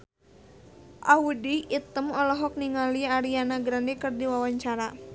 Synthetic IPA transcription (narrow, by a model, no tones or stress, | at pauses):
ʔaudiːt̪əmɔlɔɦɔk̚niŋaliaɾianaɡɾandikərdiwawaɲt͡ʃaɾa